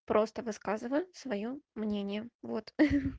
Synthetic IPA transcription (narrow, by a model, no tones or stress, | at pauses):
pɾʔo̞st̪əvɨskazɨvəjsvɐjomnʲenʲɪjəvot̪